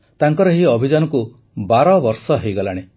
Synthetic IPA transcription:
t̪aŋkɔɾɔɦiɔbʱid͡ʒanɔku | baɾɔbɔɾsɔɦejɡɔlaɽ̃e

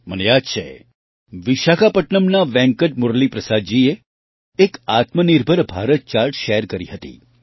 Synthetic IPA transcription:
mənejad̪̚t͡ʃʰḛ | ʋiʃakapəʈɳəmnaʋɛ̃ŋkəʈ̚mʊɾlipɾəsad̪̚d͡ʒieː | kat̪məniɾbʱəɾbʱaɾət̪̚t͡ʃaɾʈʃeɾkəɾiɦət̪ḭ

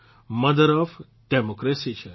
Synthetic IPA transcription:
mɐd̪əɾɔf | ɖɛmokɾesit͡ʃʰe

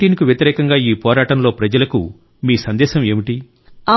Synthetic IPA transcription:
iːnkuʋjɐt̪iɾɛːkɐŋɡaːiːpɔːɾaːʈɐmlo̞ːpɾɐd͡ʒɐlɐkṵ | miːsɐnd̪ɛːʃɐme̞ːmiʈi | aː

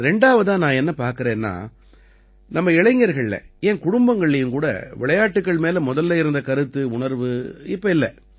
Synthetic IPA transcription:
ɾɛɳɖaːʋɐðaːnãːɛnːɐpaːɾkɪɾeːnːa̰ː | nɐmːɐɪɭɐɪŋɡɐɾɣɐɭlɛ̰ɛnkʊɽʊmbɐŋɡɐɭːɛjɯmkuːɽɐ̰ʋɪɭɐjaːʈːɯkːɐɭmeːlɐmʊðɐlːɐːɪɾɯnd̪ɐkɐɾɯt̪ːɯʊɳɐɾʋɯɪpːɐɪlːɐ

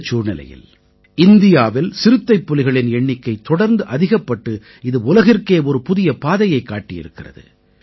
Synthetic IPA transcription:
t͡ʃuːɾnɪlɐ̰jɪ̰l | ɪnd̪ɪjaːʋɪlsɪɾɯt̪ːɐɪpːɔlɪɣɐɭɪnɛɳːɪkːɐɪt̪ːɔɽɐɾnd̪ɯʔɐðɪɣɐpːɐʈːɯ | ɪðɯʊlɐɣɪrkeːɔɾɯpʊðɪjɐpaːðɐjɐɪkːaːʈːɪjɪ̰ɾɯkːɪrɐ̰ðɯ̰

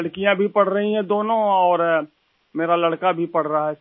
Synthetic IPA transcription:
ɽkijãbʱipɐɽ̤ɾɐɦĩɦɛ̃d̪oːnõɔːɾ | meːɾalɐɽkabʱipɐɽ̤ɾaɦɛ

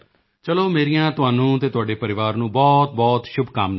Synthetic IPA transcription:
t͡ʃəloːmeːɾijãːt̪ʊɦaːnũːt̪eːt̪ʊaːɖeːpəɾɪʋaːɾnũːbɔːt̪̚bɔːt̪ʃʊbkam

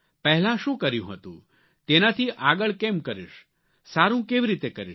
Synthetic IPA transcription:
pɛɦlãʃũkəɾjũɦət̪ṵ̃ | t̪enat̪ʰiʔaɡəɭkemkəɾiʃ | saɾũkeʋiɾit̪ekəɾi

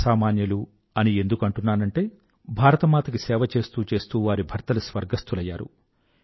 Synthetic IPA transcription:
saːmaːnjɐlu | ɐnie̞nd̪ukɐɳʈunːaːnɐɳʈe̞ː | bʱaːɾɐt̪ɐmaːt̪ɐkisɛːʋɐt͡ʃe̞ːst̪uːt͡ʃe̞ːst̪uːʋaːɾibʱɐɾt̪ɐlusʋɐɾɡɐst̪ulɐjːa̰ːɾṵ

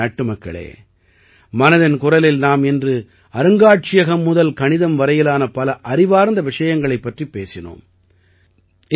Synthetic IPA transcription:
ɐʈːɯmɐkːɐ̰ɭḛː | mɐnɐðɪnkʊrɐlɪlnaːmɪndrɯ | ɐɾɯŋɡaːʈ̚t͡ʃɪjɐɣɐmːʊðɐlkɐɳɪðɐmʋɐɾɐjɪlaːnɐpɐlɐʔɐrɪʋaːɾnd̪ɐʋɪʂɐjɐŋɡɐɭɐɪpːɐʈripːeːsɪno̰ːm

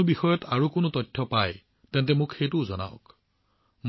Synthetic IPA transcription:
ʊbixɔjɔtʰaɹukʊnʊtɔtʰːɔpaj | tɛntɛmʊkxejtʊzɔ̰na̰ʊk | m

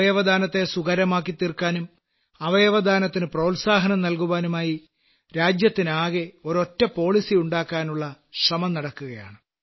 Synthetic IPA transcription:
ɐjɐʋɐd̪ʱaːnɐt̪ːe̞suɣɐɾɐmaːkːit̪ːirkːaːnum | ɐʋɐjɐʋɐd̪ʱaːnɐt̪ːinɨproːlsaːɦɐnɐmnɐlkuʋaːnumaːji | ɾaːd͡ʑjɐt̪ːinaːɣeo̞ɾo̞tːɐpo̞ːɭisiuɳɖaːkːaːnuɭːɐ | krɐmɐnɐɽɐkːuɣɐja̰ːɳɨ

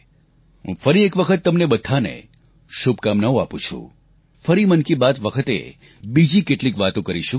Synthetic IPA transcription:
ɦṵ̃fəɾiekʋəkʰət̪ːəmnebəd̪ʱanḛ | ʃub̚kamnaũapṵ̃t͡ʃʰṵ̃ | fəɾimənkibat̪ʋəkʰət̪ḛ | bid͡ʒikeʈlikʋat̪õkəɾiʃũ

